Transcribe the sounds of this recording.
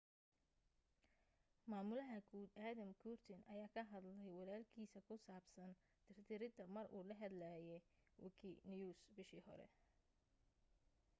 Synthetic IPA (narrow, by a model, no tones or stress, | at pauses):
maːmʊlɐɦɐɡuːd̪aːðɐmkʰuːrt̪ʰɪnʔɐjaːkʰɐɦɐd̪lɛjwɑlaːlkʰiːsɐkʰʊsaːbsɐn | t̪ʰɪrt̪ʰɪɾɪd̪ɐmɐrʔṵːlɐɦɐd̪laːjɛ | wɪ̰kʰinjuːsbɪʃiːhɔ̰ɾɛ̰